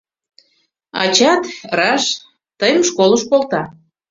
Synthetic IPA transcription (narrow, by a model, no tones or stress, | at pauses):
ɑ̰t͡ɕɑt̪rɑʃ | t̪əjəmʃkoləʃkolt̪ɑ